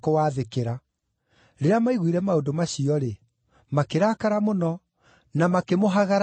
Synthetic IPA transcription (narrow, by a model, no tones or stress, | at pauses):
kowaːðekeɾa | ɾeɾamaiɣwiɾɛmaodomaɕiɔɾe | makeɾakaɾamonɔ | namakemoɦaɣaɾ